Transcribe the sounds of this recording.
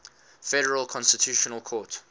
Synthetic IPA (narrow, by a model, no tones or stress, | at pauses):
fɛɾəɹəlˠkʰɔ̃nstɪtʰjuʃɔnəlˠkʰɔːˑt